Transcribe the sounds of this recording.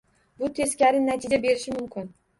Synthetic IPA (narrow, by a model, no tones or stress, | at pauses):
bʊt̪ʰezkʲæɾɪnnːæt̪ʰid͡ʒabeɾɪʃɪmʊmkʲʰɪn